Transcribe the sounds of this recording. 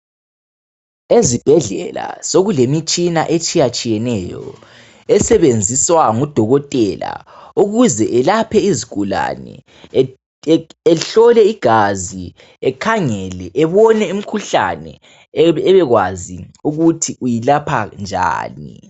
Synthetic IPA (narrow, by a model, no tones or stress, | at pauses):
ezib̥ʱɛɮɛla̰soɣulemit͡ʃʼinaʔet͡ʃʼijat͡ʃʼijɛnɛjɔ̰ | ɛsɛβend͡zʱiswaŋud̥ʱɔɣɔtʼɛla̰uɣuzɛʔɛlapʰɛizikʼula̰nɛ̰ | ɛɬɔlɛiɡ̥ʱazi | ɛkʰaŋɛlɛʔɛβɔnɛim̩kʰuɬa̰nɛ̰ | ɛβɛɣwaziuɣutʰiʔujilapʰand͡ʒʱa̰ːni